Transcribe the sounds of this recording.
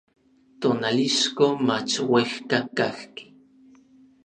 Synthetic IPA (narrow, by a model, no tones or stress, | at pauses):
t̪onaliʃkomat͡ʃwexkakaxki̥